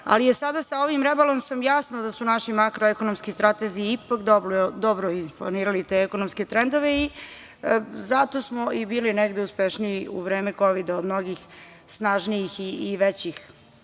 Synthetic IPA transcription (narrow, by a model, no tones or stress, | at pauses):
a̰lije̞sad̪asao̞ʋimɾebalomsamjasnod̪asunaʃimakɾoeko̞nomskist̪ɾat̪eziiipakd̪obld̪obɾoinpla̰niːɾalit̪e̞ɛkonomsket̪ɾend̪o̞ʋei | zat̪osmo̞ʔibiːlineɡd̪euspeʃniiṵʋɾe̞ːmeko̞ʋid̪aod̪mno̞ɡix | snaːʒnijixiːʋet͡ɕix